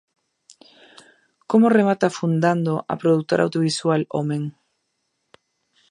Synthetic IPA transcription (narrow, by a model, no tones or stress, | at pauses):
komoremat̪afund̪and̪oʔa̰pɾoðuk̚t̪oɾa̰wðjoβiswalo̰meŋ